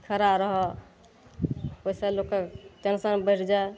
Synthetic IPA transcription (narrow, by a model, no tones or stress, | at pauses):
kʰəɾaɾəɦɔ | osaloket͡ʃənsənbəɾd͡ʒa